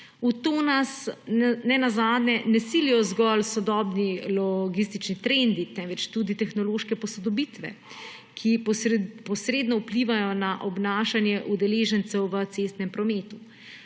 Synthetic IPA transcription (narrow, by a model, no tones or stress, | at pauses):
ut̪oːnasnɛnazaːd̪nɛnɛsilijɔzɡɔlsɔd̪ɔːbnilɔɡis̬t̪it͡ʃnit̪ɾend̪it̪ɛnʋɛt͡ʃt̪ud̪it̪ɛxnɔloːʃkɛpɔsɔd̪ɔbit̪ʋɛ̰ | kʰipɔsɾeːd̪nɔupliːʋajɔnaʔɔbnaːʃanjɛʔud̪ɛleːʒənt̪sɛwʋət̪sest̪nɛmpɾɔmeːt̪u